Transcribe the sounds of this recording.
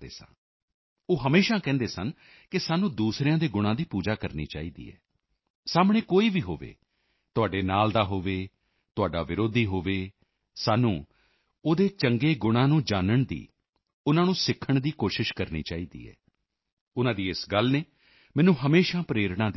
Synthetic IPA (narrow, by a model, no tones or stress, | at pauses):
ḛːsə̰n | oːɦəmeːʃãːkɛ̃ːnd̪eːsən | kɪsaːnũːd̪uːsɾeːãːd̪eːɡʊɽ̃ãːd̪iːpuːd͡ʒaːkəɾnḭːt͡ʃa̰ːiːd̪ḭːɛ̰ː | saːmɽ̃ẽːkoːiːʋiːɦo̰ːʋḛː | t̪ʊaːɖeːnaːld̪aːɦoːʋeː | t̪ʊaːɖaːʋɪɾoːd̪iːɦoːʋeː | saːnũː | oːd̪eːt͡ʃəŋɡeːɡʊɽ̃ãːnũːd͡ʒaːnəɳd̪ḭː | ʊnãːnũːsɪkʰːəɳd̪iːkoːʃɪʃkəɾnḭːt͡ʃaːiːd̪ḭːɛ̰ː | ʊnãːd̪iːɪsɡəlneː | mɛ̃ːnũːɦəmeːʃãːpɾeːɾɳãːd̪